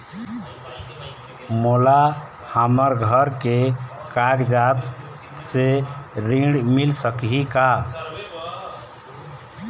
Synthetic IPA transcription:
mola | haməɾɡʱəɾkekaɡd͡ʒat̪ | seɾĩɽmilsəkɦika

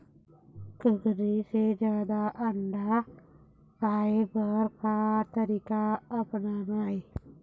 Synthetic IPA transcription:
kəɡɾised͡ʒjaːd̪aʔəɳɖa | paebəɾkat̪əɾikaəpnanai

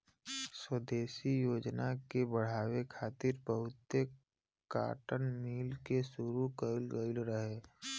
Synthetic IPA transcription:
swəd̪eːsijoːd͡ʒnakebəɽ̤aːwekʰaːt̪ɪɾpəɦʊt̪ːe | ka̰ːʈənmiːlkesʊɾukəɪlɡəɪlɾəɦeː

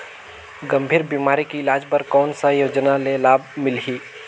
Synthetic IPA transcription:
ɡɐ̃mbʱiːɾbiːmaːɾikiɪlaːd͡ʒpɐɾkɔːnsajoːd͡ʒnalelaːb̚mɪlɦiː

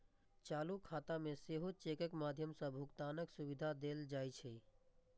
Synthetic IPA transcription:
t͡ʃaːlukʰaːt̪amẽseɦot͡ʃekəkmaːd̪ʱjəmsə̃bʱʊkt̪aːnəksuʋid̪ʱad̪eld͡ʒaːjt͡ʃʰɛ

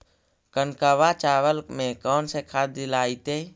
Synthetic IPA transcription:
kənkaʋat͡ʃaːʋəlkmẽkɔːnsekʰaːt̪ːɪlaːit̪eː

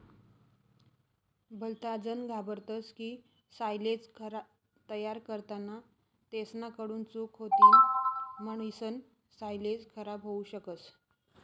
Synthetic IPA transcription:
bʱəlt̪ad͡zənɡʱabəɾt̪əskiː | sajled͡zkʰəɾa | t̪əjaɾkəɾt̪ana | t̪esnakəɽuːnt͡sukʰot̪iːlməɳisən | sajled͡zkʰəɾabɦouɕəkət͡s

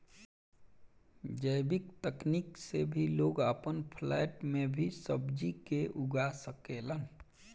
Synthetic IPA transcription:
d͡ʒəjbɪkt̪əkniksebʱiloːɡəpənpʰlɛʈmẽbʱisəbd͡ʒikeʔʊɡasəkelən

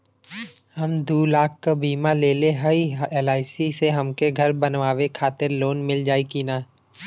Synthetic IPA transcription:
hɐmd̪uːlaːk̚ʰkabiːmaleːleɦəieːlaːɪsiseɦɐmkeɡʱɐɾbɐnʋaːʋekʰaːt̪ɪɾloːnmɪld͡ʒaːikinaː

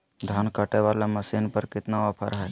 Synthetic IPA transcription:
d̪ʱankəʈeʋalaməsinpəɾkɪt̪naəpʰə̰ɾɦɛ

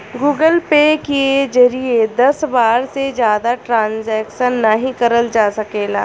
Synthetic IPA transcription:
ɡuːɡəlpekied͡ʒɐɾied̪ɐsbaːɾsed͡ʒjaːd̪aʈɾãːnzɛːkʃənːɐɦĩkɐɾəld͡ʒaːsɐkeːla̰ː

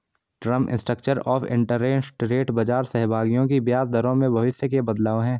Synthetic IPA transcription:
ʈɾə̃mɪ̰̃nsʈɾək̚t͡ʃəɾɔːfʰɪ̰̃ɳʈəɾːẽːsʈɾeːʈbɐd͡ʒaːɾsɛɦbʱaːɡijõkibjaːsd̪ʱɐɾõmẽbʱɐʋɪsjəkebɐd̪laːoɦɛ̃ː

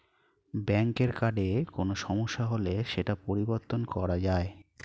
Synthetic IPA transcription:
bɛŋkeɾkaɖekonoʃɔmoʃːaɦoleʃeʈapoɾiboɾt̪onkɔɾad͡ʑae

